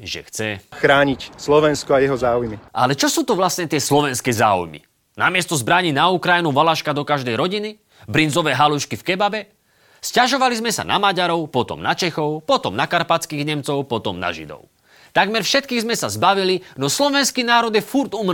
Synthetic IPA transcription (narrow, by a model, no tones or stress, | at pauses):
ʒɛ̰xt͡sɛxɾaːɲicslɔʋɛnskɔajɛɦɔzaːujmiʔa̰lɛt͡ʃɔsuːt̪ɔʋlast̪ɲɛt̪ɪɛslɔʋɛnskɛːza̰ːṵjmḭ | namɪɛst̪ɔzbɾaɲinaukɾajinuʋalaʃkad̪ɔkaʒd̪ɛjɾɔɟini | bɾinzɔʋɛːɦaluʃkifkɛbabɛ | scaʒɔʋalizmɛsa̰na̰maɟaɾɔʊpɔt̪ɔ̰mnat͡ʃɛxɔʊpɔt̪ɔmnakaɾpat͡skiːɣɲɛmt͡sɔʊpɔt̪ɔmna̰ʒḭd̪ɔ̰ʊ | t̪aɡmɛɾfʃɛt̪̚kiːɣzmɛsazbaʋilinɔslɔʋɛnskiːnaːɾɔd̪jɛfuɾt̪um